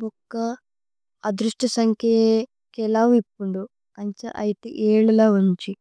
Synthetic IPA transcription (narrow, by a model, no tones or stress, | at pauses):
bɔkːɐː | d̪ɾuʂʈɐsɐŋkʰe | kɛlaːmipːuɳɖ̪u | ɐɲt͡ʃɐ̰ʔɐjit̪ḛːʔeːɭulaːuɲt͡ʃi